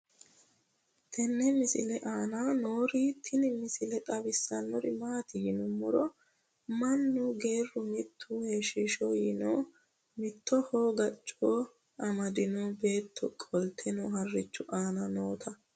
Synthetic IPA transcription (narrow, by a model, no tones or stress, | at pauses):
t̪ʰɛnːɛmɪsɪ̰lɛʔaːnanoːɾiːt̪ʰːɪnɪmɪsɪlɛt̪ʼɐbɪsːɐnːɔɾɪmaːt̪ɪjɪnʊmːʊɾɔ | mɐnːʊɡe̞ːrːʊmɪt̪ʰːʊheːʃɪʃoːjɪno̰ː | mɪt̪ʰːɔhoːɡɐt͡ʃʼːoː | ʔɐmɐd̪ɪnobe̞ːt̪ʰːɔ̰kʼɔlt̪ʰɛnɔhɐrːɪt͡ʃːʊʔaːnɐnoːt̪ʰɐ